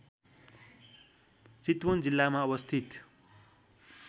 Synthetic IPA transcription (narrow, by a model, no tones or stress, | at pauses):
t͡sit̪wond͡zilːamaʌβʌst̪ʰit̪